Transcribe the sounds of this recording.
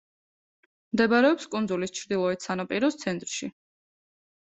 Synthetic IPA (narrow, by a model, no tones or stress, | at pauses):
md̪ɛbɾɛɔpskʼund̪zulist͡ʃʰɾd̪ilˠɔɛt̪sanapʼiɾɔst̪sʰɛnt̪ʼɾʃi